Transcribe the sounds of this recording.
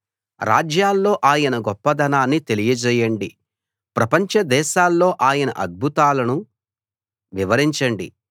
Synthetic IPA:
ɾʔa̰ːd͡ʒjaːlːo̞ːʔaːjɐnɐɡɔpːɐd̪ɐnaːnːit̪e̞lijɐd͡ʒɛːjɐɳɖi | pɾɐpɐɲt͡ʃɐd̪ɛːʃaːlːo̞ːʔaːjɐnɐ̰ʔɐd̪̚bʱut̪aːlɐnu | ʋiʋɐɾiɲt͡ʃɐɳɖi

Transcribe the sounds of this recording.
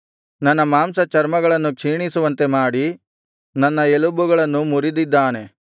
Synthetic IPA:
nɐnːɐmaːmsɐt͡ʃɐɾmɐɡɐɭɐnːukʂiːɳisuʋɐnt̪e̞maːɽi | nɐnːɐelubuɡɐɭɐnːumuɾid̪id̪ːaːne̞

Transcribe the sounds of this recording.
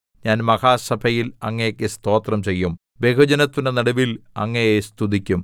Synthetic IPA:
ɲaːnmɐhaːsɐbʱɐjilɐŋːɐjɐkʲːɨst̪o̞ːt̪rɐmt͡ɕe̞jːum | bekɐd͡ʑɐnɐt̪ːunenɐɽɐʋilɐ̰ŋːɐjest̪ʰud̪ikʲːum

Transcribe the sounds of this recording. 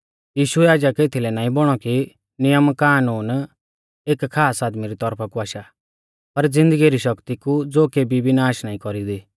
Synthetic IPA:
jiːʃʊɛaːd͡ʒakeːt̪ʰilɛnaːĩbɔɽ̃ɔki | nɪjəmkaːnuːn | eːkkʰːaːsaːd̪miɾit̪ɔɾpʰakuaːʃa | pɐɾd͡zɪ̃nd̪əɡiɾiʃɐkt̪ikud͡zoːkeːbibɪnaːʃnaːĩkɔɾid̪iː

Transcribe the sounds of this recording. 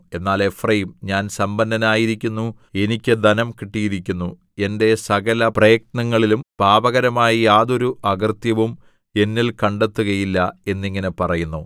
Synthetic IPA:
e̞nːaːlefrejmɲaːnsɐmbɐnd̪ɐnaːjiɾikʲːunːu | e̞nikʲːɨd̪ɐnɐmkiʈːijiɾikʲːunːu | e̞nde̞sɐɣɐlɐprɐjɐk̚nɐŋːɐɭilumb̥ʱaːbɐɣɐɾɐmaːjijaːðo̞ɾuʔɐɡɐrt̪jɐʋum | e̞nːilkɐɳɖe̞t̪ːuɣɐjilːɐe̞nːiŋːɐne̞pɐrɐjunːu

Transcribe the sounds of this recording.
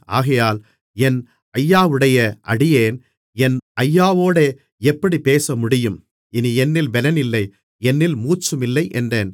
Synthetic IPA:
a̰ːɣɐjaːl | ɛn | ɐjːaːʋɯɽɐjɐʔɐɽɪjeːn | ɛnɐjːaːʋoːɽe | ɛpːɐɽipeːsɐmʊɽɪjɯm | ɪniɛnːɪlʋɛlɐnɪlːɐɪ | ɛnːɪlmuːt͡ʃːɯmɪlːɐɪʔɛndreːn

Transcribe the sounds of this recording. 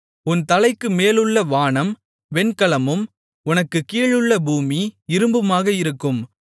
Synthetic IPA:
ʊnt̪ɐlɐɪkːɯmeːlɯɭːɐʋaːɳɐm | ʋɛnkɐɭɐmɯm | ʊnɐkːɯkiːɭɯɭːɐbuːmiɪɾɯmbɯmaːɣɐɪɾɯkːɯm

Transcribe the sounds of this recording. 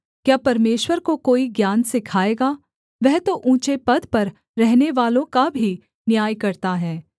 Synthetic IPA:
kjaːpɐɾmeːʃwəɾkokoːiɡjaːnsekʰaːeːɡaː | ʋɛɦt̪oʔũːt͡ʃepɐd̪pɐɾː | ɛɦneʋaːlõkabʱi | njaːjkɐɾt̪aɦɛː

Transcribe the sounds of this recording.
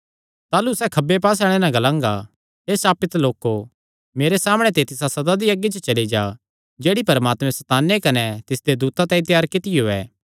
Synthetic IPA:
t̪aːlusɛkʰɐbːepaːs̬aːɽ̃enãɡɐlãːŋɡa | ɦeːsaːpɪt̪loːko | meːɾesaːmɽ̃ɛt̪et̪ɪsasɐd̪ad̪iɐɡːit͡ʃət͡ʃɐlid͡ʒa | d͡ʒeːɽipɐɾmaːt̪mɛ̃sɛt̪aːnːekɐnɛt̪ɪsd̪ed̪uːt̪at̪ãĩt̪jaːɾkɪt̪ɪjoɛ̰ː

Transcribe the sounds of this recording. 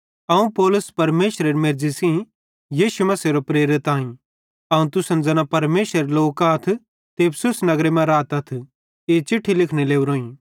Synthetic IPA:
ɐũpɔːlʊspɐɾmeːʃɾeɾmeɾd͡ʒisĩ | jiːʃumɐseɾopɾeːɾɪt̪aːĩ | ɐũt̪ʊsɐnd͡zɐnapɐɾmeːʃɾeɾloːkat̪ʰ | t̪eːbsʊsnɐɡɾemɛ̃ɾaːt̪ɐt̪ʰ | eːt͡ʃɪʈʰːilɪkʰneleːuɾoːĩː

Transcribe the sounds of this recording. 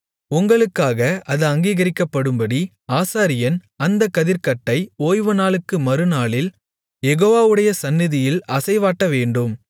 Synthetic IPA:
ʊŋɡɐɭɯkːaːɣɐʔɐðɯɐŋɡiːɣɐɾɪkːɐpːɐɽɯmbɐɽi | aːsaːɾɪjɐn | ɐnd̪ɐkːɐðɪɾkɐʈːɐɪoːjʋɯnaːɭɯkːɯmɐɾɯnaːɭɪl | jɛɣoːʋaːʋɯɽɐjɐsɐnːɪðɪjɪlɐsɐɪʋaːʈːɐʋeːɳɖɯm

